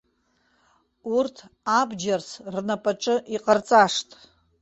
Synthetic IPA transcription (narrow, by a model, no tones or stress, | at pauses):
urtʰabd͡ʒarsrnapʼaʈ͡ʂʼɨʔiqʼart͡sʼaʂtʼ